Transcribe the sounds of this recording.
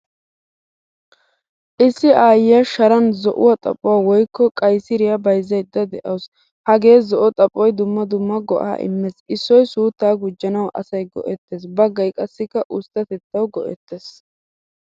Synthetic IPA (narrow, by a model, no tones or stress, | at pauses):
ʔɪsːɪaːjɪjɐʃɐɾɐnzɔʔʊ̰wɐt̪ʼɐ̰pʼʊwaːwɔjkːɔkʼɐjsɪɾɪjɐbɐjzːɐjd̪ɐd̪ɛʔɐws | hɐɡe̞ːzɔʔɔt̪ʼɐpʼːɔjd̪ʊmːɐd̪ʊmːɐɡɔ̰ʔa̰ːʔɪ̰mːesʔɪsːɔjsuːt̪ːaːɡʊd͡ʒːɐnɐwʔɐsɐjɡɔ̰ʔɛt̪ːeːs̬bɐɡːɐjkʼɐsːɪkːɐʔʊst̪ːɐt̪ɛt̪ːɐwɡɔʔɛ̰t̪ːeːs